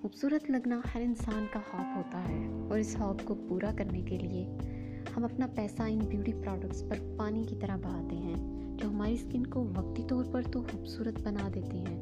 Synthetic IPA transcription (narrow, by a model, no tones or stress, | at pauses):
xuːbsuːɾət̪lɐɡnahɐɾɪ̃nsaːnkahɔːbɦoːt̪aɦɛːɔːɾɪshɔːbkopuːɾakɐɾnekelie | hɐmɐpnapɛːsaɪnbjuːʈipɾɔːɖək̚ʈspɐɾpaːnikit̪ɐɾəɦbɐɽ̤aːt̪eɦɛ̃ː | d͡ʒoːɦɐmaːɾiskɪnkoʋɐk̚t̪it̪ɔːɾpɐɾt̪oxuːbsuːɾət̪̚bɐnad̪eːt̪eɦɛ̃ː